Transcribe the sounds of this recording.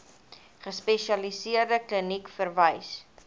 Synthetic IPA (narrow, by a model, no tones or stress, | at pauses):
χəspɛʃiɐlisiərdəklənikfərvəjs